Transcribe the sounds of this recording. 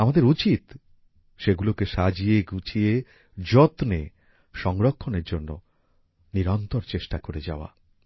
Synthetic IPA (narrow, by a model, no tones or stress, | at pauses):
amad̪eɾut͡ɕit̪ | ʃeɡulokeʃad͡ʑieɡut͡ɕʰie | d͡ʑɔt̪ne | ʃɔŋɾokʰːoneɾd͡ʑonːo̰ | niɾɔnt̪oɾt͡ɕeʃʈakoɾed͡ʑa̰oa̰